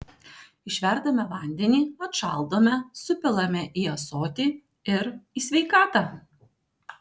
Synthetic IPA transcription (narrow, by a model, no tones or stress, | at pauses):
ɪʃʲʋʲɛɾd̪ɐmʲɛʋɐˑnʲd̪ʲɛnʲiːɐt̪ʃɑlˠd̪oːmʲɛsʊpʲɪlˠɐmʲɛʔiːɐsoːt̪ʲiː | ɪɾiːsʲʋʲɛɪkɑːt̪ɑ